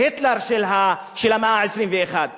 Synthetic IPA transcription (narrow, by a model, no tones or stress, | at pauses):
et̪laʁʃelɦa | ʃelameʔaʕesʁimveːχad̪